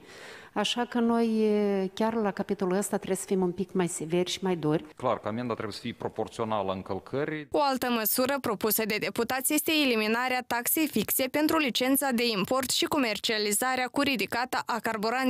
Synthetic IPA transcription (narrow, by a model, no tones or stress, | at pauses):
aʃakəno̞jkʲarlakapit̪o̞luəst̪at̪ɾebjsə̥fimunpikmajseve̞rʲʃi̥majd̪orʲklarkəamend̪at̪ɾe̞bjesə̥fijepɾopo̞rt̪sio̞naləɨŋkəlkʰəɾʲio̞alt̪əməsuɾəpɾo̞pusəd̪e̞d̪e̞put̪at̪sʲje̞st̪e̞ːliminaɾeat̪akse̞jfikse̞pe̞nt̪ɾulit͡ʃe̞nt̪sad̪e̞impo̞rt̪ʃiko̞me̞rt͡ʃializaɾeakuɾid̪ikat̪əʔakarboɾan